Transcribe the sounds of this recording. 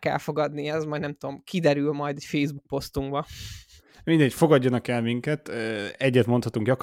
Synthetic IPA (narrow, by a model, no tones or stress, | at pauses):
kɛ̰lfo̞ɡɒd̪niɛzmɒjd̪nɛmt̪ud̪o̞mkʰid̪ɛɾylmɒjd̪ɛcfeːjzbuk̚po̞st̪uŋɡbɒ | mind̪ɛcfoɡɒɟːɒnɒkɛlmiŋkɛt̪ːɛɟːɛt̪mot̪hɒt̪uŋɡɟɒk